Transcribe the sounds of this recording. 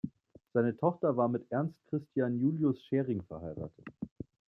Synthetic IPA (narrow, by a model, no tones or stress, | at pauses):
z̥aɪnətʰɔχtɐvaːɐmɪtʔɛɐnst̚kʁ̥ɪstjaːnjuːljʊsʃeːʁɪŋfɛɐhaɪʁa̰ːtʰət